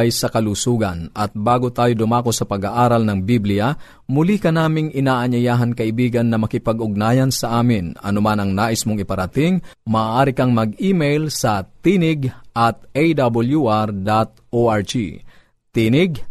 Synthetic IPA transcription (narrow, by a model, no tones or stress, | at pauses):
jsɐkɐlusuːɡɐ̰nʔɐt̪̚baːɡot̪aːjod̪ʊmaːkosɐpɐɡaʔaːɾɐlnɐŋbiblɪjɐ | mʊlikɐnaːmɪŋʔɪnaːʔɐɲɐjaːɦɐnkɐʔɪbiːɡɐnːɐmɐkɪpɐɡʔʊɡ̚naːjɐnsɐʔaːmɪnɐ̰nʊmanɐŋnaːʔɪsmoŋɪpɐɾɐt̪ɪŋmɐːʔaːɾɪkɐŋmɐɡiːmejlsɐt̪inɪɡʔɐt̪̚ʔejd̪abɐljuʔaɾd̪at̪̚ʔoʔaɹt͡ʃḭ | t̪iːnɪɡ